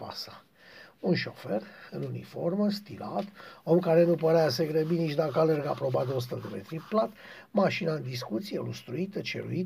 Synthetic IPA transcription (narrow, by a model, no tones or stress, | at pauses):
pa̰sḁ | unʃo̞ferɨnunḭfo̞rməst̪ila̰t̪o̞mkaɾe̞nupəɾeaseɡɾəbinit͡ʃd̪akəalerɡapɾo̞bat̪eo̞s̬u̥t̪əd̪emet̪ɾiplat̪ | maʃinaɨnd̪is̬kut̪sielust̪ɾuit̪ət͡ʃḛɾṵit̪